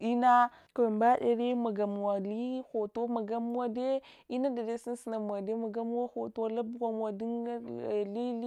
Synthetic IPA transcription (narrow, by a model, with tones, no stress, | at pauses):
i˦na˦ | ka˨a˨mba˦de˨ɾe˦ma˨ɡa˨m˨a˨li˦xo˨to˦ma˨ɡa˦m˦a˦de˦ | i˦na˦da˨de˦si˦n˦si˨na˨m˨a˨de˦ma˨ɡa˦m˦wa˦xo˨to˦la˦bɡʷa˨m˨wa˨di˦n˦˨li˦li˦